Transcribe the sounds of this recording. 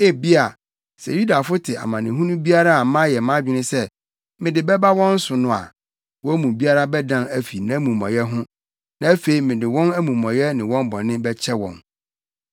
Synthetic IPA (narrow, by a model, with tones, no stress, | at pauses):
e˦˨bi˦a˨ | sɛ̰˨ju˦da˨fʊ˦tʰɪ˨a̰˨mã˨nɪ̰̃˨ɦũ˦nʊ̃˦bi˦a˦ɾa˦a˨mã˦jɛ˨mã˦d͡ʑᶣɪ˦nɪ̃˦sɛ˦ | mɪ̃˨dɪ˨bɛ˦ba˦wɔ̃˦n̩˦sʊ˨nʊ̃˦a̰˨ | wɔ˦æ˦mũ˨bi˦a˦ɾa˦bɛ˦dã˦næ˦fi˨nã˦mũ˨mɔ̰̃˨jɛ˦ɦʊ̃˦ | nã˨æ˦fe˨i˨mɪ̃˨dɪ˨wɔ̃˦næ˦mũ˨mɔ̃˨jɛ˦nɪ̃˨wɔ̃˦m˦bɔ̃˨nɪ̃˦bɛ˦t͡ɕʰɛ˦wɔ̰̃˨n